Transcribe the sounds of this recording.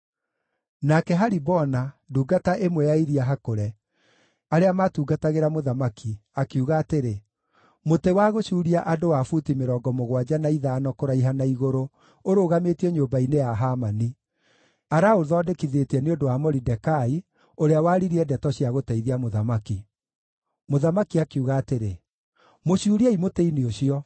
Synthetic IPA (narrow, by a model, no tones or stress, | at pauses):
nakɛɦaɾibɔnaduːɡataʔemwɛjaiɾiaɦakoɾɛ | aɾeamatuːɡataɣeɾamoðamakʰiakiuɣaːteɾe | motewaɣoʃuːɾiaʔadowafutimeɾɔːɡɔmoɣwad͡ʑanaiðaːnɔkoɾaiɦanaiɣoɾo | oɾoːɣametiɛɲoːbainejaɦamani | aɾaoðɔːdekiðetiɛneondowamɔɾidɛkai | oɾeawaːɾiɾiɛdɛtɔɕiaɣotɛiðiamoðamaki | moðamakiakiuɣaːteɾe | moɕuːɾiaimoteinioɕiɔ